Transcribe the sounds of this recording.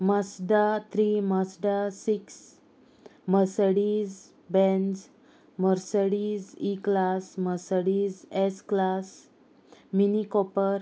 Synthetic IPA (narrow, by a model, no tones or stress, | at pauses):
məsɖat̪ʰɾiməsɖasiks | məɾsəɽiz | bɛ̃nd͡z | məɾsəɽiːziklasməɾsəɽiːzɛsklas | minikɔpəɾ